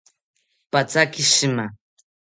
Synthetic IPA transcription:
pat͡sakɪʃɪma

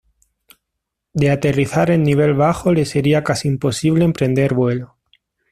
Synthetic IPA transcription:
d̪e̞at̪e̞riθaɾe̞nːiβ̞e̞lβ̞axo̞le̞se̞ɾiakasiːmpo̞siβ̞le̞ːmpɾẽ̞nd̪e̞ɾβwe̞lo

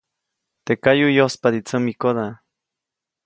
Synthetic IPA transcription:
t̪ekajujospad̪it͡səmikoða

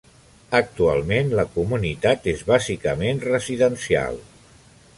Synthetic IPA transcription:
ək̚t̪ua̰lˠmenləkumunit̪at̪ezβazikəmenrəziðənsia̰lˠ

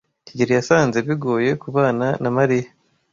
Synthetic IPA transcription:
ciɟiɾijasaːnzeβiɡo̞ːje̞kuβaːnanamaɾija

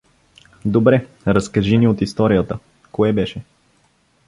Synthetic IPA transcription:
d̪obɾɛ | ɾɐskɐʒiniot̪ist̪ɔɾijət̪ə | koɛbɛʃɛ

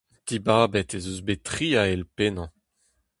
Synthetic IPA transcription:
d̪̥ibaːbɛt̪ezøzbet̪χiːaɛlpenɑ̃

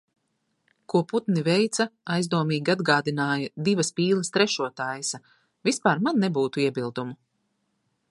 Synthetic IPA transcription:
kuɔput̪nivɛjt̪sɐajzd̪uɔmiːɡʲiad̪ɡaːd̪inaːjɐd̪ivɐspiːlˠɐst̪ɾɛʃuɔt̪aːjsɐ | vispaːɾmanːebuːt̪uiɛbilˠd̪umu

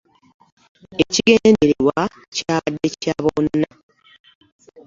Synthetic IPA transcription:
eciɡeneneɾewa | caːβadːe̞caβonːa

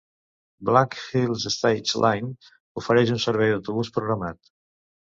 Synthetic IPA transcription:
blakfilˠzest̪ajt͡ʃlʔajn | ufəɾɛʃ̬unsəɾβɛjðəwt̪uβuspɾuɣɾamat̪

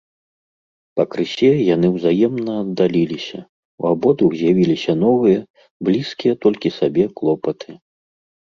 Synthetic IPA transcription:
pɐkɾɨsʲɛjanɨwzajɛmnɐːd̪ːalʲilʲisʲɐ | wabɔd̪uwzʲjavʲilʲisʲɐnɔvɨjɐ | blʲiskʲijɐt̪ɔlʲkʲisabʲɛklˠɔpɐt̪ʰɨ

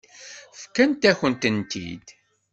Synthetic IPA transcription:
fkːænt̪æçənt̪ənt̪ḭd̪

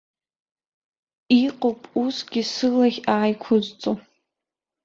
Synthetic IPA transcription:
iqʼopʼusɡʲisɨlaχʲaːjkʷʰʊzt͡sʼo

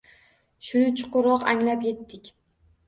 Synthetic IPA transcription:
ʃʊnɪt͡ʃʰʊ̥qʊɾɒqaŋlapje̞t̪ːɪkʲ

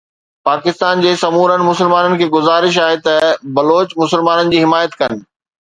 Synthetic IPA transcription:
paːkɪst̪aːnd͡ʑeːsɐmuːɾənɪ̆mʊsɪlmaːnənɪ̆kʰeːɡʊzaːɾɪʃ̬aːɦet̪ɐbɐloːt͡ɕmʊsɪlmaːnənɪ̆d͡ʑiːɦɪmaːjət̪kɐnɪ̆

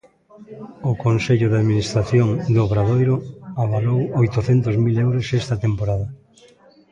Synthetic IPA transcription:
ʊkonseʎʊðaðminist̪ɾaθjoŋd̪oβɾaðojɾoaβalowojt̪oθɛnt̪ozmilewɾosɛst̪ɐt̪empoɾaðɐ

